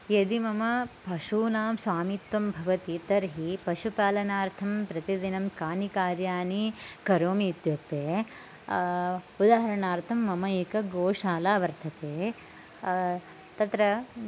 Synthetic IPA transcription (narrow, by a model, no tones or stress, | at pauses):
jed̪imɐmɐpɐʂuːnaːmsʋaːmit̪ʋɐmbʱɐʋɐt̪it̪ɐɾɦipɐʃupaːlɐnaːɾt̪ʰɐmpɾɐt̪id̪inɐmkaːnikaːɾjaːnikɐɾoːmiut̪joːk̚t̪eː | ud̪aːɦɐɾɐɳaːɾt̪ʰɐmːɐmɐeːkɐɡoːʂaːlaːʋɐɾt̪ʰɐt̪eː | t̪ɐt̪ɾɐ